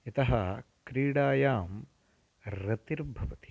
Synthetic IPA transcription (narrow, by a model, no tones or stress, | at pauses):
it̪ɐɦɐkɾiːɽaːjaːm | ɾɐt̪iɾbʱɐʋɐt̪i̥